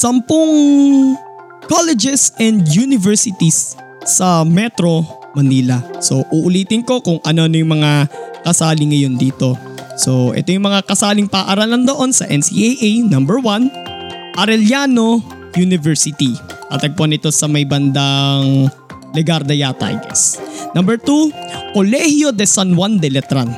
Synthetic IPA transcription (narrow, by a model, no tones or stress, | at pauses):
sɐmpʊŋ | kolɛd͡ʒɛsʔɛnd̪junɪvɛɹsɪt̪isː | ɐmɛt̪ɾo̞ | mɐniːlɐso̞ʔuːʔʊliːt̪ɪŋko̞kʊŋʔɐno̞ɐnojʊŋmɐŋakɐsaːlɪŋɐjo̞nd̪iːt̪o̞ | so̞ʔɛ̰t̪o̞jʊŋmɐŋakɐsaːlɪŋpaːʔaɾaːlɐnd̪o̞ʔo̞nsɐʔɛnsḭʔejʔejnɐmbɛɹwan | ʔɐɾɛljaːno̞ | junɪvɛɹsɪt̪it̪a̰ːt̪ɐɡ̚ponɪt̪o̞sɐmɐjbɐnd̪aŋ | lɛɡaɾd̪ɐjaːt̪ɐ̰ɡɛ̰snɐmbɛɹt̪ukolɛhjo̞d̪ɛsɐnwand̪ɛlɛt̪ɾan